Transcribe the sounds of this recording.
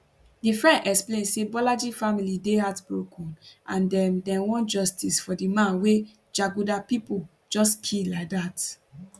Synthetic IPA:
difɹɛ̃ndɛksplẽnsebɔlad͡ʒifamilideɦatbɹokʰɔ̃nãndɛ̃ndɛ̃nwɔ̃nd͡ʒɔstisfɔdimãnwe | d͡ʒaɡudapipo | d͡ʒɔstkʰilaɪk̚dat

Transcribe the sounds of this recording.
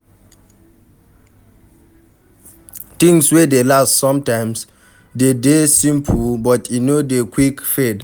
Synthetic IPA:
t̪ĩŋswɛdelassɔ̃mtãɪms | dedesĩmpʰubɔtʰinodekʰwikfɛd

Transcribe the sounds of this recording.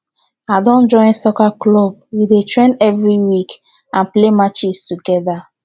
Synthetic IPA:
adɔ̃nd͡ʒɔ̃ɪ̃nsokaklob̚widetɹẽnɛvɾiwik | ãnplemat͡ʃistuɡɛda

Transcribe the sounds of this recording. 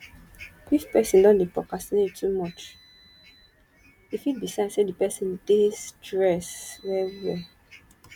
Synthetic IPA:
ifpɛsĩndɔ̃nbepɹɔkasnettʰːumɔt͡ʃ | ifit̚bisãnsedipɛsĩndestɹɛsɹɛvwɛ

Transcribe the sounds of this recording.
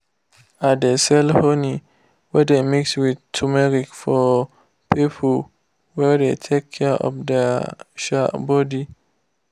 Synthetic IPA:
adesɛlhoni | wɛdemikswidtʰumɛɹikfɔ | pipʰl | wɛdetʰekʰːɛʔɔ̰fdɛʃa̰bɔdi

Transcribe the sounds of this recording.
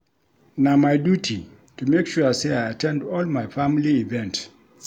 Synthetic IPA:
namajdjutʰi | tumekʃuəseajatʰɛ̃ndɔlmajfãmiliivɛ̃nt

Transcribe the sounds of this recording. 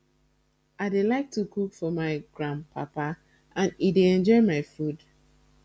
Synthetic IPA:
aɪdelaɪk̚tukʰukfɔmaɪɡɹãnpʰa̰pa | ʔãnideɛ̃nd͡ʒɔɪmaɪfud

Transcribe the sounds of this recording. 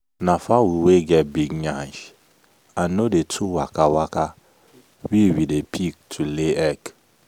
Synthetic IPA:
nafawuweɡɛt̚biɡɲãʃ | anodetʰuwa̰kawaka | wiwidepʰik̚tʰuleɛk

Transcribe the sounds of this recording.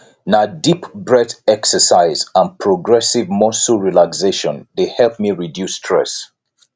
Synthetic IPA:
nadipbɹɛdɛksəsaɪzãnpʰɹɔɡɹɛsivmɔsuɹilakseʃɔ̃ndehɛlp̚miɹidjustʰɹ̥ɛ̰s

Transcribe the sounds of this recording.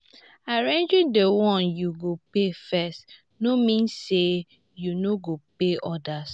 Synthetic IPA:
aɹẽnd͡ʒĩndewɔ̃njuɡopefɛst | nomĩnse | junoɡopeʔɔdas

